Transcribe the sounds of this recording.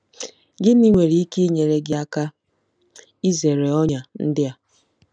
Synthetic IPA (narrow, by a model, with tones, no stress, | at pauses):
ɡɪ˦ni˦ŋʷe˨ɾi˦i˦ki˦ɲe˨ɾe˦ɡɪ˦a˦ka˦ | i˦ze˨ɾe˨ɔ˦ɲa˨n̩˦dɪ˦a˦